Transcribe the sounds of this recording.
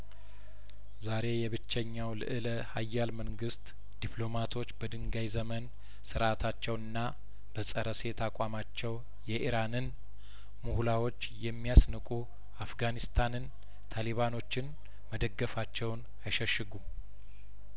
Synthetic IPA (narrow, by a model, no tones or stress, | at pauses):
zaɾe̞jɛβɨt͡ʃːɛɲːawlɨʔɨləhajːalməŋɡɨst̪ | d̪̥ipʰlo̞mat̪ʰo̞t͡ʃːbəd̪ɨŋɡajzəmən | sɨɾʔat̪ʰat͡ʃːɛwɨnːa | b̥əsʼəɾəse̞t̪ʰakʼamat͡ʃːɛw | jɛʔiɾanɨn | muhlawo̞t͡ʃːjɛmːijasnɨkʼu | afɡanist̪ʰanɨn | t̪ʰaliβano̞t͡ʃːɪn | məd̪əɡːəfat͡ʃːɛwn | ajʃɛʃɨɡu